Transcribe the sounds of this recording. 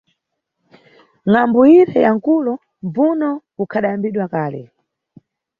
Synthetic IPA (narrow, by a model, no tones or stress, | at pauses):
ŋambuiɾɛjaŋ̩kulɔ | mb͡vunɔ | ukʰaɗajambiɗwakaːlɛ̰